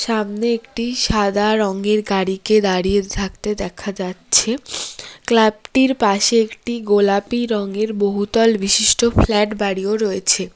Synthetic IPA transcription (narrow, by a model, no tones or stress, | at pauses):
ʃamneekʈiʃad̪aɾɔŋeɾɡaɽiked̪aɽijet̪ʰak̚t̪ed̪ɛkʰad͡ʑatːɕʰeklab̚ʈiɾpaʃeekʈiɡolapiɾɔŋeɾboɦut̪ɔlbiʃiʃʈoflɛʈbaɽioɾɔet͡ɕʰe